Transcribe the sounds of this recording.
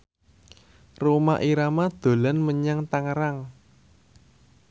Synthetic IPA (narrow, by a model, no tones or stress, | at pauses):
roma̰ʔiɾamad̪̥o̤lanməɲaŋt̪aŋəɾaŋ